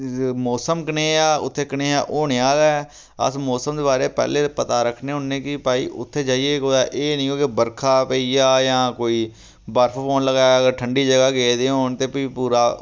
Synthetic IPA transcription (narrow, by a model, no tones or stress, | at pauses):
mɔːsəmkəneːaːʊ̰t̪ʰːeːkəneːa̰ːʔoːɳeaːd̪a | ə̰smɔːsəmd̪eːbaːɾeːpɛ̰ːleːpət̪aːɾəkʰneːɦʊnːẽːkɪpaːḭːʔʊt̪ʰːeːd͡ʒaːieːkoːd̪aːʔeːnĩːoːkebəɾkʰaːpəiːaːjãːkoːiː | bəɾpʰpʰoːnləɡaːəɡəɾʈʰəɳɖiːd͡ʒəɡaːɡeːd̪eːɦoːɳt̪eːpiiːpuːɾaː